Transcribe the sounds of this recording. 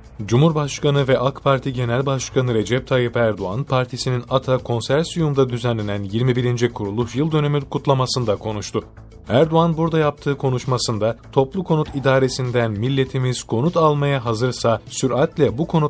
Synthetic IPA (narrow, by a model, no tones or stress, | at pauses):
d͡ʒumhuɾbaʃkanɯvɛʔakpʰaɾt̪ʰiɟe̞nælʲbaʃkʰanɯɾe̞d͡ʒɛp̚t̪ʰajipæɾd̪oanpʰaɾt̪ʰisininat̪ʰakʰo̞nsæɾsujumd̪ad̪yzænlːʲe̞nænjiɾmibiɾind͡ʒikʰuɾulˠuʃjɯlˠd̪øne̞mikʰut̪lˠamasɯnd̪akʰo̞nuʃt̪ʰʊ | æɾd̪oanbuɾd̪ajap̚t̪ʰɯːkʰo̞nuʃmasɯnd̪at̪ʰo̞plˠukʰo̞nut̪ʰid̪aːɾe̞sind̪ænmilʲːe̞t̪ʰimiz̥kʰo̞nut̪ʰalˠmajaɦazɯɾsasyɾat̪lʲɛbukʰo̞nu